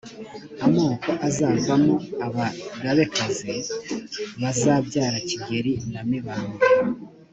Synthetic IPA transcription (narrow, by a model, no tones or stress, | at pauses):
amoːko̞ʔazaːvamoaβaɾaβe̞kaze | βazaːbɟaːɾaciɡe̞ɾinamiβaːnɡa